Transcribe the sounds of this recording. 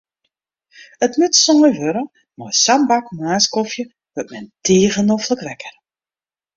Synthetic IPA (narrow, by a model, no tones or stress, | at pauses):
ətmøtsɔməjʋøɾə | mɔjsambakmaːskɔfjə | ʋøtmɛnteːɣənofləkʋɛkər